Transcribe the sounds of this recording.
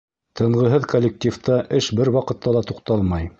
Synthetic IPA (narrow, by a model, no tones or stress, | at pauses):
t̪ʰɤ̆ɴʁɤ̆ɦɤðkolʲːek̚tʲift̪ɑʔɘʃbɘɾwɑqɤ̆t̪ːɑlˠɑt̪uqt̪ɑlˠmɑj